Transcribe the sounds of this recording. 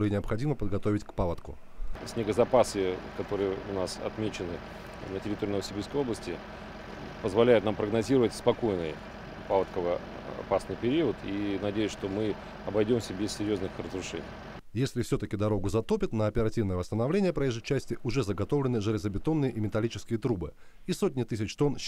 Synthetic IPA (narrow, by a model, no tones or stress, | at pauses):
ɾɨjnʲɪɐpxɐdʲiməpəd̪̚ɡɐt̪o̞vʲɪtʲkpalˠət̪kʊ̰ | sʲnʲɪɡəzɐpasɨkɐt̪o̞ɾɨjəʊnasɐ̰t̪mʲet͡ɕɪnɨ | nətʲɪɾʲɪt̪oiːnəvəsʲɪbʲiskəjo̞blˠəsʲtʲɪ | pəzvɐlʲæjʊt̪nampɾəɡnɐzʲiɾəvətʲspɐko̞jnɨj | palˠət̪kəvə | ɐ̰pasnɨjpʲɪɾʲiət̪ʰinɐdʲejʊsʲʂt̪omɨ | ɐbɐjdʲo̞msʲəbʲɪsʲsʲɪɾʲjoznɨxrəzɾʊʂɛ̰nʲɪ̰j | jesʲlʲɪfsʲɵt̪əkʲɪd̪ɐɾo̞ɡʊzɐt̪opʲɪt̪nəɐpʲɪɾɐtʲivnəjəvəst̪ənɐvlʲenʲɪjəpɾɐjeʐɨt͡ɕːæsʲtʲɪʔʊʐɛzəɡɐt̪o̞vlʲɪnɨʐɨlʲɪzəbʲɪt̪o̞nːɨjəʔimʲɪt̪ɐlʲit͡ɕɪ̥skʲɪjət̪ɾubɨ | isotʲnʲɪt̪ɨsʲɪt͡ɕt̪o̞n